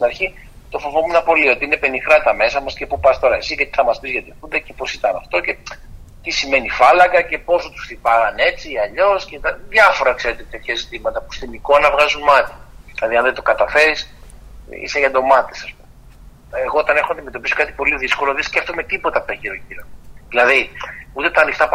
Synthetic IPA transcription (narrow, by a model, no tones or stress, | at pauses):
t̪inɐɾçi | t̪ofovomunɐpo̞lio̞t̪iine̞pe̞nixɾɐt̪ɐme̞sɐmɐsce̞pupɐst̪o̞ɾɐesizʝɐt̪iθɐmɐspizʝɐt̪iθund̪ece̞po̞sit̪ɐnɐft̪o̞ce̞ | t̪isime̞nifɐlɐkɐce̞po̞sot̪u̥sθipɐɣɐne̞t͡siːɐʎo̞scet̪ɐðʝɐfo̞ɾɐkseɾet̪et̪e̞t̪çɐzit̪imɐt̪ɐpu̥st̪iniko̞nɐvɣɐzunmɐt̪i̥ðilɐðiɐnðend̪o̞kɐt̪ɐfe̞ɾis | ḭseʝɐnd̪o̞mɐt̪esɐspume | eɣo̞ot̪ɐne̞xonɐnd̪ime̞t̪opiso̞kɐt̪i̥po̞liðisko̞loðiscɐft̪ume̞t̪ipo̞t̪ɐpeçiɾociɾoðilɐðiut̪e̞t̪ɐːnixt̪ɐp